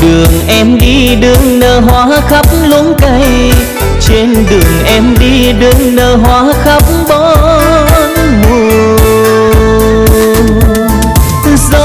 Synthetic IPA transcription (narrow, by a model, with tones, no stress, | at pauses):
ɗɨ˨˩əŋʔɛ˧mɗi˧ɗɨ˨˧˩əŋnəː˧˨˩ɦwaː˧˦xa˦˥p̚mlu˧˦nka˧˩j | t͡ɕe˧nɗɨ˨˩əŋʔɛ˧˩mɗi˧ | ɗɨ˨˧˩əŋnəː˧˩ɦwaː˧˦xə˦˥p̚mɓɔ˧˦ | mo˧˩ | zɔ˧